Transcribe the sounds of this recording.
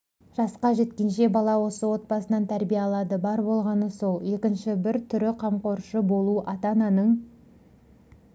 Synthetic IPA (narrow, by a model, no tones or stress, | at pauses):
ʒ̥ɑsqɑʒe̞t̪kʲe̞nʃe̞bɑlˠɑwo̞səwo̞t̪̚bɑsənɑnt̪ʰæɾbijeɑlˠɑd̪əbɑɾbo̞lˠʁɑnəso̞lˠje̞kʲɪnʃɪbɪɾt̪ʰʏɾɪqʰɑmqo̞ɾʃəbo̞lˠuʔɑt̪ɑnɑnəɴ